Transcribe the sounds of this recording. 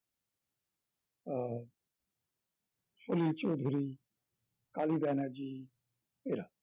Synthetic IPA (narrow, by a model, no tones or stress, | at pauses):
solilt͡ɕowd̪ʱuɾi | kalibɛnad͡ʑi | eɾa